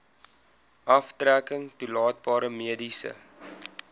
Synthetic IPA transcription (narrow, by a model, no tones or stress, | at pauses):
ʔɐftrækəŋtulɑːt̚bɑːɾəmiədisə̰